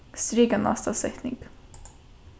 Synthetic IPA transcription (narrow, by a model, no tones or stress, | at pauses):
st̪ɾiɡana̰st̪asɛt̪nɪ̰ŋɡ